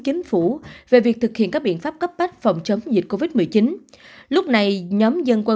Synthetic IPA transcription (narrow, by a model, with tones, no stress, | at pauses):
t͡ɕï˨˦ŋ̟fu˧˩ve˨˩vi˨˩ək̚t̪ɨ˨˩k̚hḭ˧˨nkaː˦˥k̚ɓ̰i˧˨ənfaː˦˥p̚kə˦˥p̚ka˦˥k̚fa˨˩wŋ͡mt͡ɕə˨˦wŋ͡mzḭ˨˩t̚ko˧vi˦˥t̚mɨ˨˩əjt͡ɕi˨˦n | lʊ˦˥k͡p̚na˨˩jɲɔ˨˦mzə˧nkwə˧